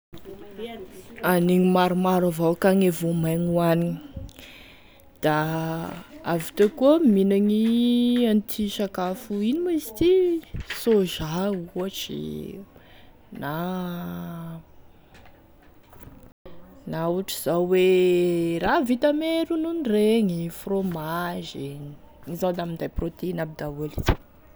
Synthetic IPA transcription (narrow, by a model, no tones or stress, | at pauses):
aniŋimaɾumaɾavawkaŋevomaŋuanini | d̪̥a | avit̪akuminaŋiant̪ʰiʃakafuinimazi̥t̪isoʒauaʈ͡ʂḭ | na | nauʈ͡ʂiz̥awe | ravit̪ameɾununireŋifromaʒiɲi̥ | izad̪amind̪ajprot̪einabid̪aelit͡si̥